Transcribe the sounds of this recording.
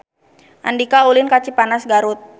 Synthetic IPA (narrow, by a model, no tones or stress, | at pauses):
ʔa̰ndikaulɪnkat͡ʃipanasɡaɾʊt̪̚